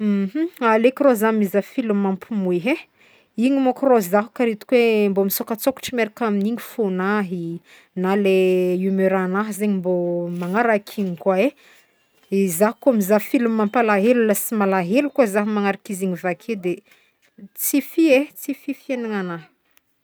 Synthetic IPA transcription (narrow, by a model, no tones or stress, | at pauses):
m̩ɦ̩alekirozamizafilumampʰumueɦe | iɲimokrozaɦu̥kaɾit̪u̥kwembomisokət͡soku̥ʈ͡ʂimeɾakaminiɲifonaɦi | naleumøɾanaɦzeɲimbomaŋaɾakʰiɲikwae | izaɦu̥kuamizafilumːampalaɦelulasimalaɦelukazaɦimaŋaɾakiziɲivakʰed̪e | t͡sifiet͡sififienaŋanaɦ